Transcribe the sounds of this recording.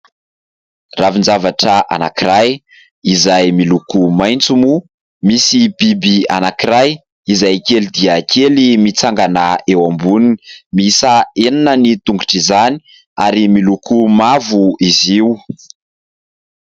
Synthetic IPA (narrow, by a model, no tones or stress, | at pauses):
ravind͡zavaʈ͡ʂəʔa̰na̰kiraj | izajmilukumajnt͡sumu | misibibia̰nakiɾaj | izajkelid̪iakʰelimit͡saŋɡanaewambuninimiisaenanənit̪uŋɡuʈ͡ʂizani̥ | aɾimilukumavuiziu